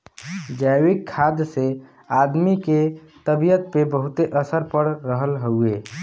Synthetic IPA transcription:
d͡ʒajwikʰːad̪se | ad̪miket̪əbijət̪̚pebəɦut̪eʔəsəɾpəɾːəɦəlɦəue

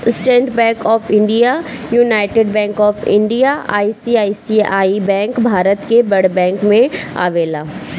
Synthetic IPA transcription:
sʈɛ̃ːɳʈbɛ̃ːkɔːfʰɪ̃ɳɖija | junaːɪʈeːɖbɛ̃ːŋkɔːfʰɪ̰̃ɳɖijaʔa̰ːisiaːisiaːibɛ̃ːŋkbʱaːɾət̪kebɐɽbɛ̃ːŋkmẽa̰ːʋeːlaː

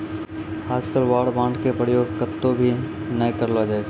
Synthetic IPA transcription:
aːd͡ʒkəlʋaːɖbãːɳɖkepɾəjoːɡkət̪ːobʱi | nəĩkəɾlad͡ʒaːed͡ʒ

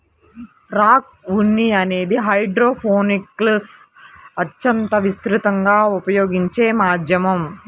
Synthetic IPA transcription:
pɾaːk̚ | unːiɐne̞ːd̪iɦɐjɖɾoːpʰoːnikːlɐsɐt͡ʃːɐnt̪ɐʋist̪ɾit̪ɐŋɡaːupɐjoːɡiɲt͡ʃeːmaːd̪ʱjɐmɐm

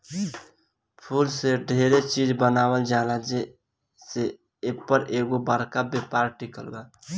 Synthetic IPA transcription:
pʰuːlseɖʱeɾet͡ʃid͡ʒbənaːwəld͡ʒalad͡ʒe | se | epəɾeːɡobəɾkabepaɾʈikəlɡa

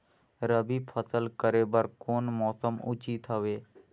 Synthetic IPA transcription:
ɾəbipʰʌsəlkəɾebaɾkonmɔsəmʔut͡ʃit̪ɦɔbe

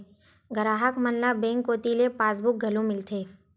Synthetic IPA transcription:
ɡəɾaːɦəkmənlabẽːŋkːoːt̪ilepaːsbʊk̚ɡʱɐlõmɪlt̪ʰeː

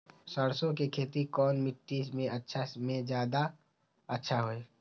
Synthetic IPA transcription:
səɽsõkekʰeːt̪ikɔːnmɪʈːismẽətːʃʰasmẽd͡ʒjaːd̪a | ətːʃʰaɦoːeː

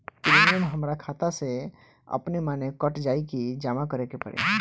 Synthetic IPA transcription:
pɾimijəmɦəmɾakʰaːt̪ase | ə̰pnemanekəʈd͡ʒaːikid͡ʒaːmakəɾekepə̰ɾḛ

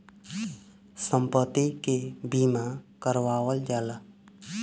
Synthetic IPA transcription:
sə̃mpət̪ːikebiːmakəɾʋaːwəld͡ʒaːla

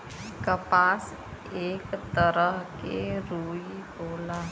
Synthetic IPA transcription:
kəpas | ekt̪əɾəɦkeɾuibola

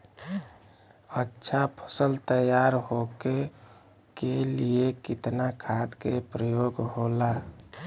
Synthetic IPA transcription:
ətːʃʰapʰə̥səlt̪əjaɾɦoke | keliekɪt̪nakʰad̪kepɾəjoːɡɦola

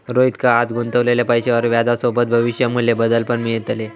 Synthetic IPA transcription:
ɾoit̪kaːt̪ɡʱunt̪əʋlelepəjɕeʋəɾʋjad̪asobət̪̚bʱəʋiɕjamuljebəd̪əlpəɳmijet̪ale

